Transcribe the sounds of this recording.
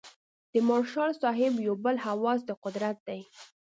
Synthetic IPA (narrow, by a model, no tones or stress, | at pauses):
d̪̥əmɑɾʃɑlsɑɦɪbjawbəlhawɑz̬d̪əqʊd̪ɾat̪̚d̪aj